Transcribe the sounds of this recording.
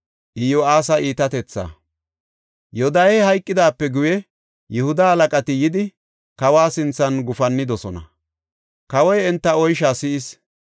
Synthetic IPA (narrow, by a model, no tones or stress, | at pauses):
ʔɪjoaːsɐʔiːt̪ɐt̪ɛt͡sːa̰ː | jɔd̪ajjhɐjkʼːɪd̪aːpːɛɡʊjɛ | jɛhʊd̪ɐhɐlɐkʼɐt̪ɪjɪd̪ɪ | kɐwaːsɪnt͡sːɐnɡʊfɐnːɪd̪ɔsɔnɐ̰ | kɐwɔjɛnt̪ːɐɔjʃaːsɪɪs